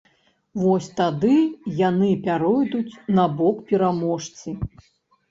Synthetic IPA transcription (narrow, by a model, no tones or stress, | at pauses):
vɔsʲt̪ad̪ɨjanɨpʲaɾɔjd̪ut͡sʲnabɔkpʲɛɾamɔʂt͡sʲi